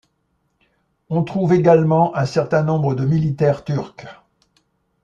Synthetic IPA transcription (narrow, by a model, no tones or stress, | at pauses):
ɔ̃t̪χuveɡalmɑ̃ʔɛ̃sɛʁt̪ɛ̃nɔ̃bʁəd̪əmilit̪ɛʁt̪yʁk